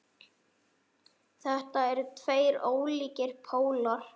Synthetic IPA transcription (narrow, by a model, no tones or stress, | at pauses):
θɛht̪aɛɾʏt̪ʰveːjɾoːwliːcɪɾ̥pʰoːwlaɾ̥